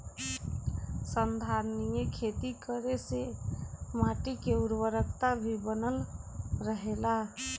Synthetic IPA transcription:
sənd̪ʱaɾnijekʰet̪ikəɾese | maʈikeuɾwəɾəkt̪abʱibənəlɾəɦela

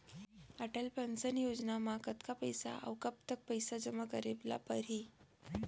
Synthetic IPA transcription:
aʈəlpənt͡sənjod͡znamakət̪kapəjsa̰ʔə̰wkəp̚t̪ək̚pəjsad͡ʑəməkəɾibla̰pəɾi

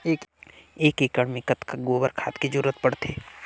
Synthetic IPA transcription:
eːkeːkeːkəɽmẽkət̪kaɡoːbəɾkʰa̰ːt̪ked͡ʒʊɾət̪̚pəɽt̪ʰeː

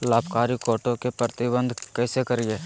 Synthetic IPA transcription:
laːbʱkaːɾikɔːʈõkepɾət̪ɪbə̃nd̪ʱkɛːsekɐɾieː

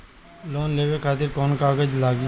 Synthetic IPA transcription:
loːnleːʋekʰaːt̪ɪɾkɔːnkaːɡəd͡ʒlaːɡi

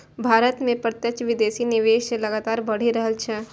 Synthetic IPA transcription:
bʱaːɾət̪mẽpɾət̪jət͡ʃʋɪd̪eːsinɪʋeːʃelɐɡaːt̪aːɾbɐɽ̤iɾɐɦəlt͡ʃʰɛː

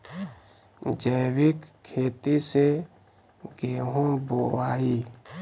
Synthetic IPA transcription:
d͡ʒəjwɪkʰːeːt̪ise | ɡeːɦũbowaːi

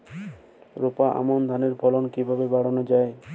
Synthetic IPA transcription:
ɾopaʔa̰mond̪ʱaneɾbʱɔlonkibʱabebaɽonod͡ʑae

